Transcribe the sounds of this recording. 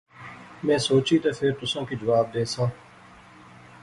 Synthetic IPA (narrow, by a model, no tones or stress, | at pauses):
mẽːsoːt͡ʃiːt̪epʰɪɾt̪ʊsãːkid͡ʒəʋaːb̚d̪eːsãː